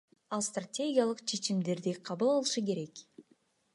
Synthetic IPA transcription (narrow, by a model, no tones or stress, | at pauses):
ɑlˠst̪ratʲe̞ɡʲijalˠɯqt͡ʃʰe̞t͡ʃimd̪e̞ɾd̪iqʰɑβɯlˠɑlˠɯʃɯk̬e̞ɾe̞k